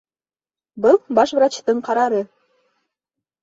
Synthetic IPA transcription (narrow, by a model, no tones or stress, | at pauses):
bɤ̆lˠbɑʃβɾɑt͡ɕt̪ɤ̆nqɑɾɑɾɤ̆